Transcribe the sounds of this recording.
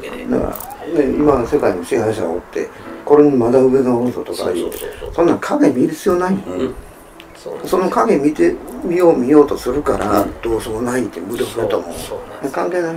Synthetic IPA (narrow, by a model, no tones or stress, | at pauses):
na̰ka̰ɾa̰neimase̞kainoɕiɦaiɕ̬a̰o̰t̪ːe̞̰ko̞ɾeɲimad̪aɯ̟βe̞ɡaonso̰t̪o̞ka̰jɯ̰ːt̪ːesõ̞nːãŋkʰaɡe̞mʲiɾisɨjonaĩ | so̞nokaɡe̞mʲit̪emʲijoːmʲijo̞ːt̪o̞sɨɾɯ̟kaɾʔad̪̥o̞ːsomonait̪ːemɯ̟d̪okɯet̪omojakãŋkeːna